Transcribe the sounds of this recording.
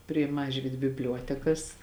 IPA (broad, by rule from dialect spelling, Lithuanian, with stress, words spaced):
pʲrʲiɛ ˈmɑːʒʲʋʲiːt bʲɪbʲˈlʲuɔtʲɛkɐs